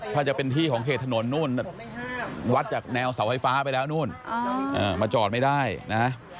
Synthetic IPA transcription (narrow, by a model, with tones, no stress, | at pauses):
t̪ʰaː˥˩t͡ɕa˨˩pe˧nt̪ʰiː˥˩kʰɔː˩˦ŋkʰeː˨˩t̪ʰːa˧no˩˦nːuː˥˩na˧˩ | wa˦˥t̪̚t͡ɕaː˨˩k̚nɛː˧wsa˩˦wfa˥˩jfaː˦˥pa˧jlɛː˦˥wnuː˥˩nʔʔɤː˨˩ma˧t͡ɕɔː˨˩t̪̚ma˥˩jdaː˥˩jna˦˥